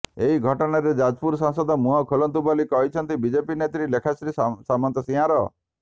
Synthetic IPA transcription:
eɦiɡʱɔʈɔɽaɾed͡ʒad͡ʒpuɾsãŋsɔd̪ɔmuɦɔkʰolɔnt̪ubɔlikɔɦit͡ʃʰɔnt̪ibid͡ʒepinet̪ɾilekʰasɾisamant̪ɔsĩɦaɾɔ

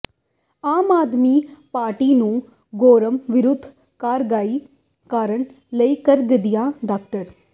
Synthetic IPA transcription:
aːmaːd̪miːpaːɾʈiːnũː | ɡoːɾɐmʋɪɾud̪ʱː | kaːɾɡaːi | kaːɾəɳ | lɐjkɐɾɡɐd̪ijãːɖaːk̚ʈɐɾ

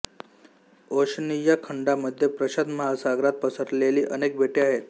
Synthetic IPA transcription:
oɕnijakʰəɳɖaməd̪ʱːjepɾəɕəd̪məɦasaɡɾat̪̚pəsəɾleliːʔənek̚bʱeʈeaɦet̪̚

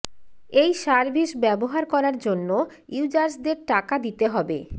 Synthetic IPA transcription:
ejʃaɾbʱiʃbɛboɦaɾkɔɾaɾd͡ʑonːo | iud͡ʑaɾsd̪eɾʈakad̪it̪eɦɔbḛ

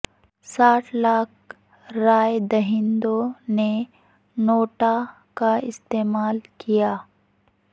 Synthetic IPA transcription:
saːʈʰlaːk̚ | ɾaːjd̪ɐɦɪnd̪one | noːʈa | kaɪst̪eːmaːlkijaː

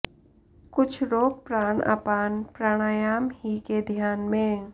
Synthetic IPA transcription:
kʊt͡ʃʰɾoːk̚pɾaːna̰ːpaːnpɾaːɽ̃aːjaːmɦiked̪ʱjaːnmẽ

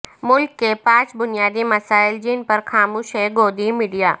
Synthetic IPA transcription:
mʊlkːepãːt͡ʃbʊnijaːd̪imɐsaːɪld͡ʒiːnpəɾkaːmuːʃɦeɡoːd̪imiːɖijaː

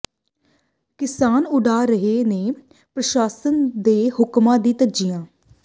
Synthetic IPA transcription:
kɪsaːnʊɖaːɾəɦeːneː | pɾəʃaːsənd̪eːhʊkmãːd̪iːt̪əd͡ʒiːjãː

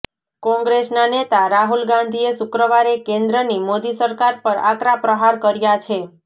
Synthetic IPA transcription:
kɔ̃ŋɡɾesnanet̪aɾaɦulɡãnd̪ʱiesʊkɾəʋaɾekẽnd̪ɾənimod̪isəɾkaɾpəɾa̰kɾapɾəɦaɾkəɾjat͡ʃʰe

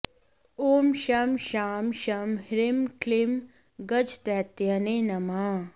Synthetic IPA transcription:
oːmʃɐmʃaːmʃɐmhɾɪmklɪm | ɡɐd͡ʒt̪ɛːt̪jɐnenɐmaː

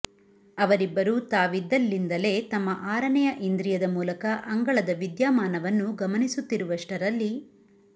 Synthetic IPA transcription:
ɐʋɐɾibːɐɾut̪aːʋid̪ːɐlːind̪ɐle̞ːt̪ɐmːɐʔaːɾɐɳɛjɐʔind̪ɾijɐd̪ɐmuːlɐkɐʔɐŋɡɐɭɐd̪ɐʋid̪jaːmaːnɐʋɐnːuɡɐmɐnisut̪ːiɾuʋɐʂʈɐɾɐlːi

